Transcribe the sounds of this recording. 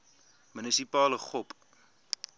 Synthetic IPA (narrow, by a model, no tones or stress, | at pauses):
mynisipɑːləχɔp